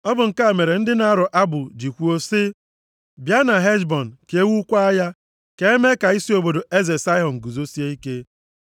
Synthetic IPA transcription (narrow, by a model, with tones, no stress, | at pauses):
ɔ˦bʊ˨ŋ̩˨ka˦˨me˨ɾe˨n̩˦dɪ˦na˨a˦ɾʊ˨ʔa˦bʊ˨d͡ʒi˨kʷu˦o˦sɪ˦ | bja˦na˨ɦe˦d͡ʒbɔ˨n̩˨ke˨˦wu˦kʷa˦a˦ja˦ | ke˨e˦me˦ka˨i˦si˦o˨bo˨do˨ʔe˦ze˨sa˦ɦɔ˨n̩˨ɡu˨zo˦si˦e˦i˦ke˦